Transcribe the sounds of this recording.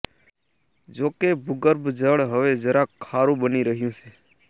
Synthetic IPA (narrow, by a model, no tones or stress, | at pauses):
d͡ʒokebʱuɡəɾbd͡ʒəɭɦəʋed͡ʒəɾãkʰaɾũbəniɾəɦjũt͡ʃʰe